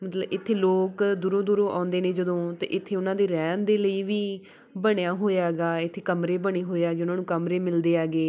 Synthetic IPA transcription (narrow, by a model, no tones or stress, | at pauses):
mət̪ləbɪt̪ʰːeːloːkd̪uːɾõːd̪uːɾõːʔa̰ːʊnd̪eːneːd͡ʒəd̪õːt̪ḛːʔɪt̪ʰːeːʊnãːd̪eːɾɛːnd̪eːləiːʋiː | bəɽjaːɦoːjaːɦɡaːɪt̪ʰːeːkəmɾeːbəɽ̃eːɦoːeaːɡeːʊnãːnũːkəmɾeːmɪld̪eːaːɡeː